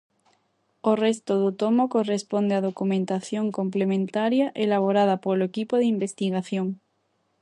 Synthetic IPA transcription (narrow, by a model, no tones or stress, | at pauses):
orest̪oð̞ut̪omokorespond̪eaðokumẽnt̪aθjoŋkomplemẽnt̪aɾjaʔelaβ̞oɾað̞apoloekipoðimbest̪iɣ̞aθjoŋ